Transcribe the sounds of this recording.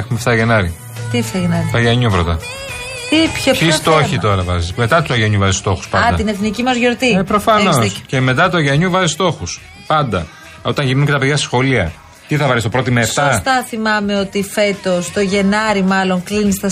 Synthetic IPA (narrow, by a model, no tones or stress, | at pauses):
exumeft̪ɐʝenɐɾi | t̪ift̪ɐʝenɐɾiɐʝɐɲuvɾot̪ɐ | t̪ipçoisst̪oçit̪o̞ɾɐvɐzisme̞t̪ɐt̪uɐʝɐɲuvɐzist̪o̞xu̥spɐnd̪ɐt̪ine̞θnicimɐzʝo̞ɾt̪iepɾofɐnosce̞me̞t̪̬ɐt̪uɐʝɐɲuvɐzist̪o̞xus | pɐnd̪ɐ | o̞t̪ɐ̃ʝimuɲcet̪ɐpeðʝɐsi̥sxo̞liɐ̰ | t̪iθɐvɐɾist̪opɾo̞t̪imeefst̪ɐst̪ɐθimɐme̞o̞t̪ife̞t̪o̞st̪o̞ʝe̞nɐɾimɐlo̞ŋklinist̪ɐ